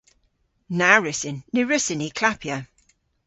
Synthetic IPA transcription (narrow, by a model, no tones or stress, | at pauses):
naɹɪsɪnːɪɹɪsɪnikʰl̥apʰjə